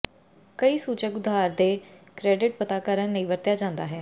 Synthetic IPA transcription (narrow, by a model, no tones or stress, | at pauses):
kəiːsuːt͡ʃəkʊd̪ʱːaːɾd̪eːkɾɛːɖɪʈ̚pət̪aːkəɾənːəĩːʋəɾt̪ɪjaːd͡ʒãːnd̪aːɦɛː